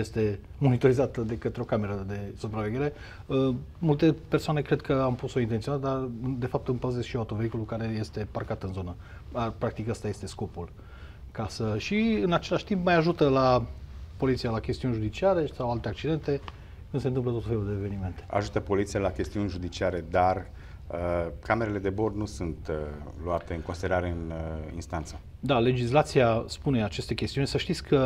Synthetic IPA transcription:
jest̪e̞ | mo̞nit̪o̞ɾizat̪əd̪e̞kət̪ɾeo̞kame̞ɾəd̪e̞supɾave̞ɡʲe̞ɾe̞ | əmult̪e̞persoanekɾe̞d̪̚kʰəampusoint̪ent̪ionat̪d̪ard̪e̞fap̚t̪ɨmpəzezʃioawt̪o̞vehikulukaɾe̞je̞st̪e̞parkat̪ɨnzo̞nə | pɾak̚t̪ikast̪aje̞st̪e̞sko̞pul | kasəʃiɨnat͡ʃe̞laʃʲt̪impmajaʒut̪əlapo̞lit̪sialakʲe̞st̪iunʲʒud̪it͡ʃiaɾe̞sawalt̪e̞ak̚t͡ʃid̪e̞nt̪e̞ | kɨnsent̪ɨmplət̪ot̪fe̞luld̪eːve̞nime̞nt̪ea̰ʒut̪əpo̞lit̪sijalakʲe̞st̪iunʲʒud̪it͡ʃiaɾe̞d̪ar | əkame̞ɾele̞d̪e̞bo̞rnusunt̪luat̪e̞ɨŋkonsid̪eɾaɾeɨnḭnst̪ant̪sə | d̪ale̞d͡ʒislat̪siaspune̞at͡ʃe̞st̪e̞kʲest̪iunʲsəʃt̪it̪sʲkʰə

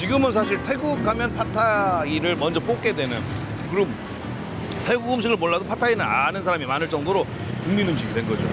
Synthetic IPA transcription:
t͡ɕiɡɯmɯns̬ʰaɕ̬ʰiɭtʰe̞ɡukʰamjʌnpʰatʰaiɾɯɭmʌnd͡ʑʌp͈ok͈e̞dwe̞nɯn | kɯɾʌm | tʰe̞ɡuɡɯmɕ̬ʰiɡɯɭmoɭːadopʰatʰainɯnanɯns̬ʰaɾamimanɯɭt͡ɕ͈ʌŋdoɾo | t͡ɕuŋminɯmɕʰiɡidwe̞nɡʌd͡ʑo̰

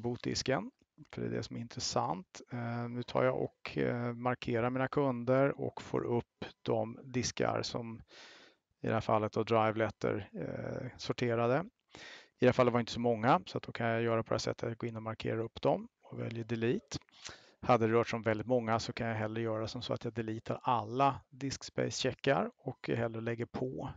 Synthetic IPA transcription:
buːt̪̚d̪ɪ̰skən | fœɖɛ̰ːd̪ɛ̰sɔmɛɾɪnt̪ɾəsa̰nt̪nʉ̟ːt̪ʰɑ̰ːɾjaɔ̰kʰmaɾkʰeːɾamiːnakʰɵnd̪əɾɔ̰kfo̰ːɾɵpːd̪̥ɔmd̪ɪska̰ɾsɔ̰m | ɪd̪ɛhæːɾfalːət̪avd̪ɾajvlɛt̪ːə̰ɾ | sɔʈʰeːɾad̪ə | ɪd̪ɛafalɛvaɾɪnt̪əsɔmɔŋːasɔat̪̚d̪ɔkʰanjajœːɾapʰɔd̪ɛæːsɛ̰t̪ʰːat̪jɡoːɪnːɔmaɾkʰḛːɾaɵpːd̪ɔmɔvɛ̰ljəɖ̪ɛliːt̪ | had̪ːəd̪ɾœːʈʂɔmvɛld̪ɪt̪mɔŋːasɔkʰanjaɦɛlːɾəɾjœːɾasɔmsɔ̰ːa̰t̪jad̪ɛliːt̪ʰaɾalːad̪ɪskspɛ̰ɪsɕɛkːaɾɔkʰɦɛlːəɭɛɡːəɾpʰɔ

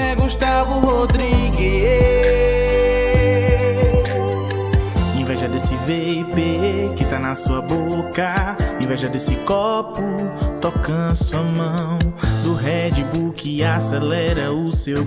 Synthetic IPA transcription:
ɛɡuʃt̪avʊhod̪ɾiɡi | s | ẽj̃vɛʒɐd̪esɪvepekɪt̪anɐsuɐbokɐẽvɛʒɐd̪esɪkɔpʊt̪ɔkɐ̃suɐmɐ̃w̃d̪ʊɦɛd͡ʒibukɪasɛlɛɾɐʊsew

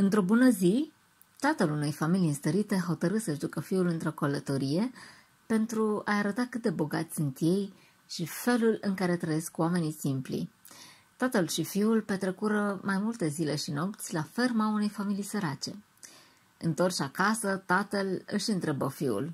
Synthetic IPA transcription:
ɨnt̪ɾo̞bunəzi | t̪at̪əlune̞jfamiliɨnst̪əɾit̪e̞ɦo̞t̪əɾɨt̪səʃd̪ukəfiulɨnt̪ɾo̞kolət̪o̞ɾije̞ | pe̞nt̪ɾuajaɾət̪akɨt̪̚d̪e̞bo̞ɡat̪sʲsunt̪je̞j | ʃife̞lulɨŋkaɾe̞t̪ɾəjeskwame̞nisimplḭ | t̪at̪əlʃifiulpe̞t̪ɾekuɾəmajmult̪e̞zile̞ʃino̞pt̪sʲlafermaune̞jfamilijsəɾat͡ʃe̞̰ | ɨnt̪o̞rt͡ʃakasət̪at̪əlɨʃɨnt̪ɾe̞bəfiṵl

